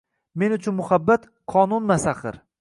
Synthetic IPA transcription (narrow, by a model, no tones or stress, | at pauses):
me̞nʊt͡ʃʰʊnmʊhabːat̪ | qʰɒnʊnmasaχɪ̰ɾ